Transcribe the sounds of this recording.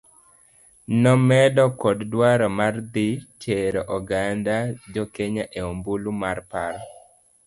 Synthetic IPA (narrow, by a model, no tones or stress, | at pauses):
nɔmɛdɔkɔddwaɾɔmard̪it͡ʃeɾɔʔɔɡandad͡ʒɔkeɲaʔeombulumarpaɾɔ